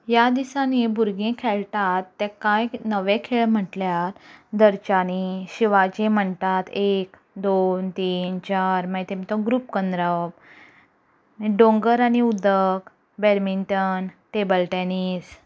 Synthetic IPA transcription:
jad̪isanibʱuɾɡẽkʰɛɭʈat̪ːɛ̃kajnəʋẽkʰeɭm̤əʈljaɾd̪əɾt͡ɕaniɕiʋad͡ʑẽm̤əɳt̪at̪ek | d̪ont̪iːnt͡ɕaɾmət̪emit̪ɔ̃ɡɾuːpkənd̪ɾəp | ɖõŋɡəɾañiud̪ək | beɾminʈənʈebəlʈenis

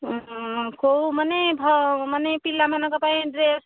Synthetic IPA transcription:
komənebʱʌmənepilːamenakəpãɖɾes

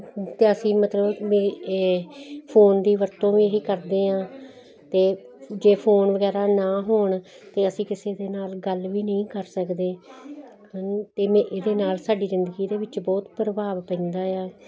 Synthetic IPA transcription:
t̪eːəsĩːmət̪ləbmẽː | pʰoːnd̪iːʋəɾt̪õːʋiːɦiːkəɾd̪eːãː | t̪eːd͡ʒeːpʰoːnʋəɡɛːɾaːnãːɦoːɳ | t̪eːəsĩːkɪseːd̪eːnaːlɡəlʋiːnəĩːkəɾsəkd̪eː | t̪eːmẽːʔeːd̪eːnaːlsaːɖiːzɪnd̪əɡiːd̪eːʋɪt͡ʃbɔːt̪pɾəbaːʋpɛ̃ːnd̪aːjaː

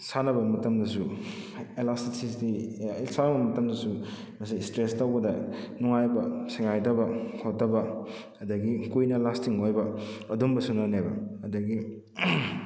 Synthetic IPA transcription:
sanɐbɐmɐtɐmdɐsu | elasisisdisanɐbɐmɐtɐmdɐsu | mɐsistɾestawbɐdɐnuŋajbɐseŋajdɐbɐkʰot̚dɐbɐ | ɐdɐɡikujnɐlastiŋojbɐɐdumbɐsunanebɐ̰ːdɐɡi

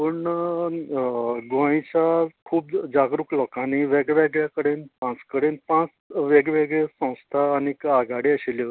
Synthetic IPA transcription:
pəɳ | ɡʋãĩt͡ɕakʰuːpd͡zaɡɾuklɔkaniʋeɡʋeɡɭjakəɽeːnpãt͡skəɽenpãt͡s | ʋeɡeʋeɡɭesə̃w̃st̪ʰaːnikaɡaɽiəɕile

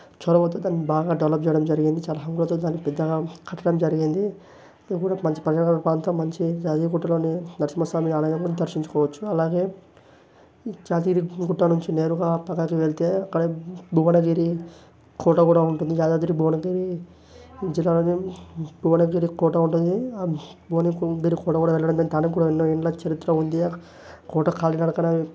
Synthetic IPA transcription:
t͡ʃɔːɾɐpɐt̪oːd̪aːnːibaːɡaːɖɐʋlɐp̚t͡ʃɛːjɽɐmd͡ʒɐɾiɡind̪it͡ʃaːlɐɦɐŋɡulɐt̪o̞ːd̪aːnːipɛd̪ːɐɡaːkʰɐʈːɐɽɐmd͡ʒɐɾiɡind̪i | kuːɽamɐɲt͡ʃi̥pɾɐd͡ʒalɐkɐpɾaːnt̪ɐmmːɐɲt͡ʃid͡ʒaːt̪iːɾɡuʈːɐlo̞ːninɐɾsimɐsʋaːminiaːlɐjɐmkuːɽad̪ɐɾʃiɲt͡ʃu̥kɔːʋɐt͡ʃːuɐlaːɡe̞ː | d͡ʒaːt̪̬iːɾiɡuʈːɐnuɲt͡ʃine̞ːɾuɡaːpɐkːakiʋeɭit̪e̞ːɐkːɐɽebʱuːʋɐnɐɡiɾi | kɔːʈɐkuːɽauɳʈund̪id͡ʒaːd̪aːd̪iɾibʱuːʋɐnɐɡiɾi | d͡ʒilːaːlo̞ːnibʱuːʋɐnɐɡiɾikɔːʈɐuɳʈund̪ibʱuːʋɐnɐɡiːɾikɔːʈɐkuːɽaːʋɛɭːɐɽɐnd̪ɐːnit̪aːnɐkuːɽaːinːoːiɳlɐt͡ʃɐɾit̪ːɾɐund̪i | kɔːʈɐkaːlinɐɽɐkɐnɐ

